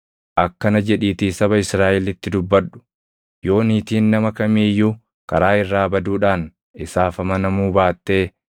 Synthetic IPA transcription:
ʔɐkːɐnɐd͡ʒɛᶑiːt̪iːsɐbɐɪsɾaːʔɛlɪt̪ːɪd̪ʊbːɐᶑʊ̥ | jo̞ːniːt̪iːnːɐmɐkɐmiːjːuː | kɐɾaːɪrːaːbɐd̪uːᶑaːn | ɪsaːfɐmɐnɐmuːbaːt̪ːe̞ː

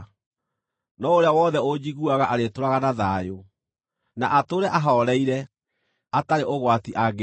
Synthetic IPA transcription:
nɔoɾeawɔðɛod͡ʑiɣuaɣaʔaɾetoɾaɣanaðaːjo | naʔatoɾɛʔaɦɔɔɾɛiɾɛ | ataɾeʔoɣwatiʔaɣ

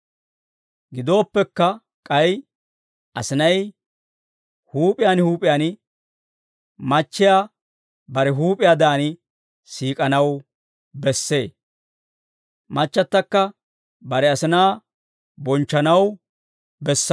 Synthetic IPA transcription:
ɡɪd̪o̞ːpːɛkːɐ | kʼɐj | ʔɐsɪnɐj | huːpʼɪjanhuːpʼɪjan | mɐt͡ʃːɪja | bɐɾɛɦuːpʼɪjaːd̪aːnɪ | siːkʼɐnɐw | bɛsːe̞ː | mɐt͡ʃːɐt̪ːɐkːɐ | bɐɾɛɐsɪnaː | bɔnt͡ʃːɐnɐw | bɛsː

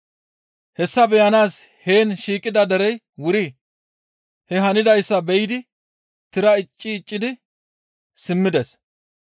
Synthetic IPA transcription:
hɛsːɐbɛjɐnaːs | he̞ːnʃiːkʼɪd̪ɐd̪ɛɾɛj | wʊɾɪ | hɛɦɐnɪd̪ɐjsːɐbɛjɪd̪ɪ | t̪ɪɾɐɪt͡ʃʼːɪːt͡ʃʼːɪd̪ɪ | sɪmːɪd̪ɛs

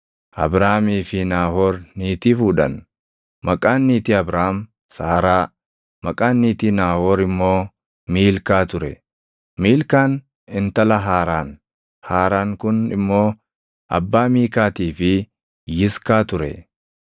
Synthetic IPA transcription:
ʔɐ̰bɾaːmiːfɪnaːhoːɾniːt̪iːfuːᶑɐ̰n | mɐkʼaːnːiːt̪iɐbɾaːm | saːɾaː | mɐkʼaːnːiːt̪iːnaːhoːɾɪmːo̞ː | miːlkaːt̪ʊɾɛ | miːlkaːn | ɪnt̪ɐlɐɦaːɾaːn | haːɾaːŋkʊnɪmːo̞ː | ʔɐ̰bːaːmiːkaːt̪iːfɪ | jɪskaːt̪ʊɾɛ̰

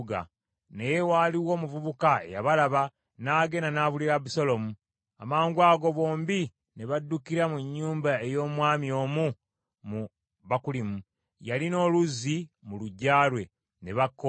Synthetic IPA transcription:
ɡa̰ | nejewaːliwo̞ːmuvuβukae̞̰ja̰βalaβa | naːɡe̞nanaːβuliɾaβusolo̞mu | a̰maːŋɡwaːɡo̞βo̞ːmbi | ne̞βadːukiɾamuɲːuːmbae̞jo̞ːmwaːmjo̞ːmu | mu | βakulimu | jalino̞ːluzːimuluɟːaːlwe̞ | ne̞βakːo

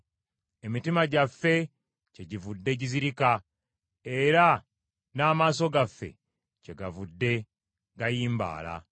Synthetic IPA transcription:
e̞mitimaɟafːe̞ | ce̞ɟivudːe̞ɟiziɾika | e̞ɾa | naːmaːso̞ɡafːe̞̰ | ce̞ɡavudːe̞ | ɡajiːmba̰ːla̰

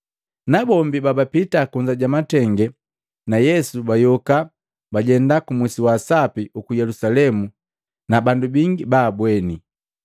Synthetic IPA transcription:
nabɔmbibabapitakuɲd͡ʒaɟamatɛŋɡɛ | najɛsubajɔka | baɟɛndakumusiwasapiukujɛlusalɛmu | nabandubiŋɡibaːbwɛni

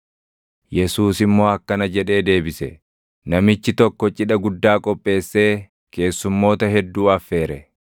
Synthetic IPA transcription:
jɛsuːsɪmːo̞ːɐkːɐnɐd͡ʒɛᶑe̞ːd̪e̞ːbɪsɛ̰ | nɐmɪt͡ʃːɪt̪ɔkːɔt͡ʃʼɪᶑɐɡʊd̪ːaːkʼɔpʼːe̞ːsːe̞ː | ke̞ːsːʊmːo̞ːt̪ɐɦɛd̪ːuːɐfːe̞ːɾɛ

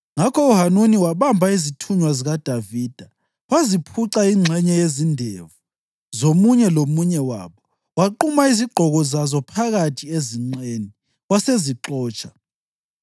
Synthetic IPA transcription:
ŋakʰɔuɦanuniwaβambʱaizitʰuɲwaziɣad̥ʱaviːd̥ʱa | wazipʰuǁaiŋ͡ǀʱɛɲɛjezindʱevu | zomuɲɛlomuɲɛwa̰ːβɔ | waǃumaiziɡ͡ǃ̥ʱɔɣɔzazɔpʰaɣatʰieziŋ͡ǀeni | waseziǁɔːt͡ʃʼʰḁ

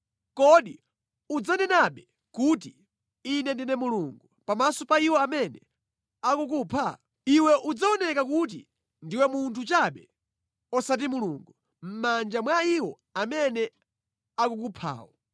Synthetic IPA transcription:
kɔɗi | ud͡zanɛnaɓɛ | kut̬i | inɛndinɛmuluŋɡupamasɔpaiwɔamɛnɛ̰ | akuk̬upʰa̰ | iwɛʔud͡zaɔnɛkakut̬ḭ | ndiwɛmuntʰut͡ʃaɓɛ | ɔsat̬imuluŋɡu | m̩mand͡ʒamwaiwɔ | amɛnɛ | akukupʰa̰ːwɔ̰

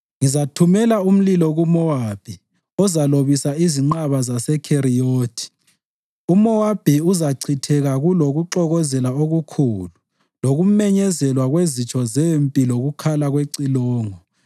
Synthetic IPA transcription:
ŋizatʰumɛlaum̩lilɔɣumɔwab̥ʱi | ɔzaloβisaiziŋ͡ǃaβazasɛkʰeɾioːtʰi̥ | umɔwab̥ʱiuzaǀʰitʰɛɣaɣuloɣuǁɔɣɔzɛlaoɣukʰulu | loɣumɛɲɛzɛlwaɣwezit͡ʃʰʼɔzempʼiloɣukʰalaɣweǀilɔːŋɔ

